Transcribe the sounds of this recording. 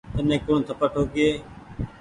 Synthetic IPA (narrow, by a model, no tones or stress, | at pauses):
t̪ənẽːkoːnt̪ʰəpəʈʰoːkɪeː